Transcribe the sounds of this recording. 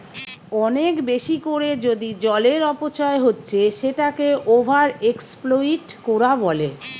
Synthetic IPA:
ɔnekbeʃikoɾed͡ʑod̪id͡ʑɔleɾɔpot͡ɕɔeɦotːɕʰeʃeʈakeʔobʱaɾeksploiʈkoɾabɔle

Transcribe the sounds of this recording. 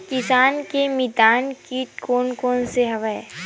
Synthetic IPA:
kɪsaːnkemɪd̪aːnkikoːnkoːnseɦɐʋae

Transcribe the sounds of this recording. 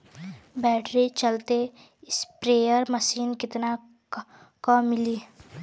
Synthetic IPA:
bɛːʈɾit͡ʃɐlt̪e | spɾeːjəɾməʃiːnkɪt̪na | kɔmːɪliː

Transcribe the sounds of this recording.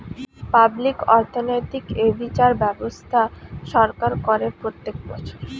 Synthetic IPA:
pablikɔɾt̪ʰonojt̪ikebit͡ɕaɾbɛbost̪ʰaʃɔɾkaɾkoɾepɾot̪ːek̚bɔ̰t͡ɕʰoɾ

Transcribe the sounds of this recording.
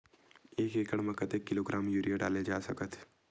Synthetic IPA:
eːkeːkəɽməkət̪ekːɪloːɡɾaːmjuːɾijaɖaːled͡ʒaːsɐkət̪ʰ

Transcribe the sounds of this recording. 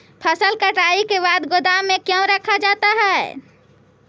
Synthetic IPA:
pʰəsəlkəʈaikebad̪ɡod̪amekjə̃ɾəkʰad͡ʒat̪aɦɛ

